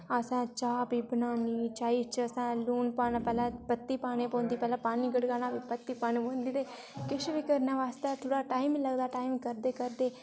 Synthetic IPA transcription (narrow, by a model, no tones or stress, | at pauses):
əsãːt͡ʃaːbiːbənaːniːt͡ʃaːiːt͡ʃəsãːluːnpaːnapɛːlãːpət̪ːiːpaːnẽːpõːnd̪iːpɛːlãːpaːniːɡəɽɡaːnaːbiːpət̪ːiːpaːneːpõːnd̪iːd̪eː | kɪʃbiːkəɾnaːʋaːst̪aːt̪ʰoːɽaːʈaːimləɡd̪aːʈaːimkəɾd̪eːkəɾd̪eː